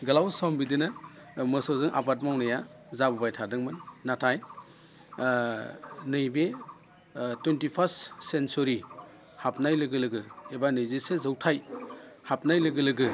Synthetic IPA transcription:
ɡɐlawsɔmbidɯnamɯsɔzɯŋʔa̰bat̬̚mawnɯja | zabubajtʰadɯŋmɯnːatʰaj | nɯjbe | twentipʰassensuɾi | hap̚najlɯɡɯlɯɡɯebanɯjzesezɯwtʰajhap̚najlɯɡɯlɯɡɯ

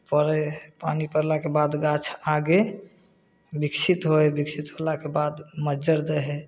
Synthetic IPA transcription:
pəɾepanipəɾlakebad̪ɡat͡ʃʰaɡe | biksʰit̪ɦoebiksit̪ɦolakebad̪məd͡ʒəɾd̪ɛɦɛ

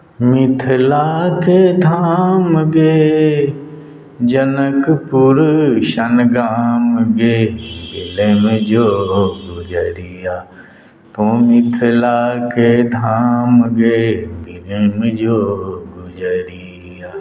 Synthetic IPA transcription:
mɪt̪ʰlaːked̪ʱaːmɡeː | d͡ʒənəkpuʊɾʃənɡaːmɡeːbɪleːmd͡ʒoːɡʊd͡ʒəɾijaː | t̪õːmɪt̪ʰəlaked̪ʱaːmɡeːbɪlemd͡ʒoːɡʊd͡ʒəɾi | aː

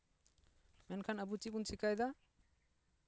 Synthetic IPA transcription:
mɛnkʰanɐbut͡ʃip̬unsikajd̪a

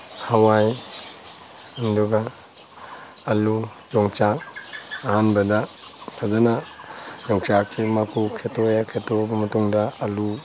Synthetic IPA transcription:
hawaj | anduɡa | lu | jɔŋt͡ʃakːhanbɐdɐ | tʰazanajɔŋt͡ʃakʰːimakʰukʰetojakʰetobɐmɐtuŋdɐɐlu

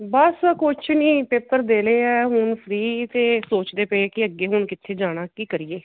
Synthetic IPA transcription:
bəskʊt͡ʃʰnĩːpeːpəɾd̪eːleːɛːɦʊnpʰɾiːt̪eːsoːt͡ʃd̪eːpeekɪəɡːeːɦʊnkɪt̪ʰːeːd͡ʒaːɽ̃aːkiːkəɾiːeː

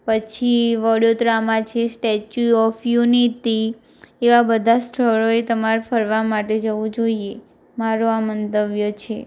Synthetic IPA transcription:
pət͡ʃʰiʋɔɽjot̪ɾamãt͡ʃʰesʈet͡ʃuɔfʰjunit̪i | eʋabəd̪ʱast̪ʰəɭoet̪əmaɾfəɾʋamaʈed͡ʒəʋũd͡ʒoie | maɾoamənt̪əʋjət͡ʃʰe

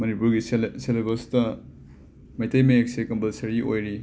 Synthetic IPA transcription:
mɐnipuɾɡiselebɐstɐ | mɐjtɐjmɐek̚sekɐmbɐlsɐɾiʔojɾi

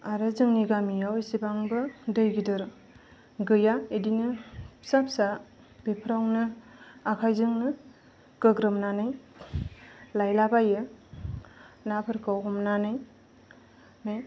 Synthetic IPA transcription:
aɾɯzɯŋniɡamijawisibaŋbɯdɯjɡidɯɾ | ɡɯjaedinɯsap̚sa | b̥epʰɾawnɯakʰajzɯŋnɯ | ɡɯɡɾɯmnanɯj | lajlabajɯ | napʰɯɾkʰawɦɔmnanɯj | mej

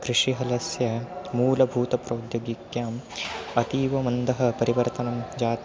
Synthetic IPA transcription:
kɾɪʂiɦɐlɐsjɐmuːlɐbʱuːt̪ɐpɾɐːd̪joɡikjaːmɐt̪iːʋɐmɐnd̪ʱɐɦɐ̆pɐɾiʋɐɾt̪ɐnɐmd͡ʒaːt̪

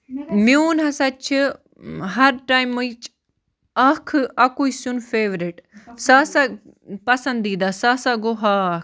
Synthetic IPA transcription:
muːnɦɐsɐt͡ʃʰi | ɦɐɾʈaːjmːuit͡ʃ | ɐkʰʔɐkuisunfeːʋɾiʈsaːsa | pɐsɐnd̪iːd̪asasaɡoɦaː

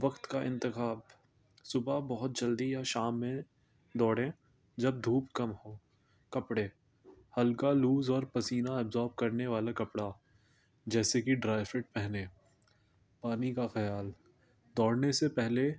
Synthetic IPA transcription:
ʋɐqt̪kaʔɪ̃nt̪ɪxaːb | sʊbabɔɦʊt̪̚d͡ʒɐld̪iaʃaːmːẽ | d̪ɔːɽẽː | d͡ʒɐb̚d̪ʱuːpkɐmɦoː | kɐpɽe | hɐlkaluːzɔːɾpɐsiːnaɛbzɔːɾb̚kɐɾneʋaːlakɐpɽa | d͡ʒɛːsekiɖɾaːɪfeʈ̚pɛɦnẽː | paːnikaxɐjaːl | d̪ɔːɽnesepɛɦle

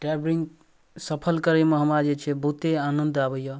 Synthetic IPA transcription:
ʈɾabɾiŋɡ | səpʰəlkəɾemeɦəmɾad͡ʒet͡ʃʰebʱut̪eanənd̪abəjə

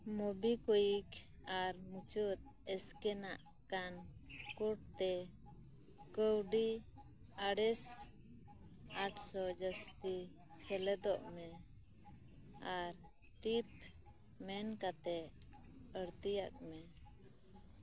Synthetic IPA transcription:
mɔbikɔjik | aɾmut͡ʃɔt̪̚ | ɛskɛnaʔ | kankɔʈ̚t̪ɛ | kəwɖi | aɽɛs | aʈʰsɔd͡ʒəst̪i | sɛlɛd̪ɔʔmɛ | aɾ | ʈip̚ | mɛnkat̪ɛ | əɽt̪ijak̚mɛ

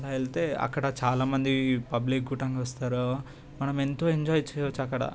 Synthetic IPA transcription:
laːeɭt̪eːɐ̰kːɐɽɐt͡ʃaːlaːmɐnd̪ipɐblik̚ɡuʈɐŋɡɐʋɐst̪aːɾo | mɐnɐment̪oːeɲd͡ʒaːjt͡ʃɛjʋɐt͡ʃːɐkːɐɽɐ̰

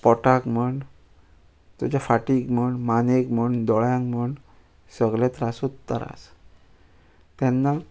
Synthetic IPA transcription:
pɔʈãkməɳ | t̪ut͡ɕafaʈikm̤əɳmanekməɳd̪ɔɭjãŋkməɳ | səɡlet̪ɾasut̪ːə̰ɾa̰s | t̪ɛnːa

